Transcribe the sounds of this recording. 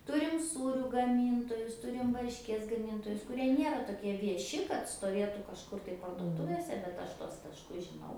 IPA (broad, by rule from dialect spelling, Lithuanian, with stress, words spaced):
ˈtʊrʲɪm ˈsuːrʲuː ɡɐˈmʲiːntoːjʊs ˈtʊrʲɪm ʋɐrʲʃʲˈkʲiɛs ɡɐˈmʲiːntoːjʊs kʊˈrʲiɛ ˈnʲiɛrɐ toːˈkʲiɛ ʋʲiɛˈʃʲɪ kɐt stoːˈʋʲiɛtuː kɐʃˈkʊr tɐɪ pɐrduɔˈtʊʋʲeːsʲɛ bʲɛt ˈɐʃ tuɔs tɐʃˈkʊs ʒʲɪˈnɐʊ